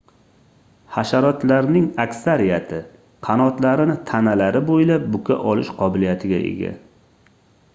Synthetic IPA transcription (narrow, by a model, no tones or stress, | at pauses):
haʃaɾɒt̪laɾnɪŋakʲsaɾijat̪ʰɪ | qʰɑnɒt̪laɾɪnɪt̪ʰanalaɾɪbojlap̚bʊkʲʰa̰ʔɒlɪʃqʰɒbɪlijat̪ʰɪɡʲa̰ʔḛɡʲa̰